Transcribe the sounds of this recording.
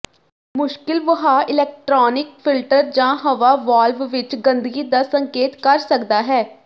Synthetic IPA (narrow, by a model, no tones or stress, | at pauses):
mʊʃkɪlʋəɦaːʔɪlɛːk̚ʈɾɔːnɪk̚pʰɪlʈəɾd͡ʒãːɦəʋaːʋaːlʋʋɪt͡ʃɡənd̪əɡiːd̪aːsəŋkeːt̪kəɾsəkd̪aːɦɛː